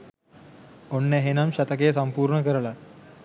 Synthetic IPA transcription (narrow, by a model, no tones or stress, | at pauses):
onːeɦenɐmɕɐt̪ɐkesɐmpuːɾɳɐkɐɾɐɭɐ